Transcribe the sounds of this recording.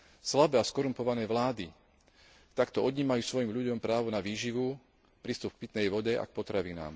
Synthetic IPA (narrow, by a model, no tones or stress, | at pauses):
slabɛːaskɔɾumpɔʋanɛːʋlaːd̪i | t̪akt̪ɔɔd̪ɲiːmajuːsʋɔjimʎuɟɔmpɾaːʋɔnaʋiːʒiʋu | pɾiːst̪up̚k̚pit̪nɛjʋɔɟɛʔa̰k̚pɔt̪ɾaʋina̰ːm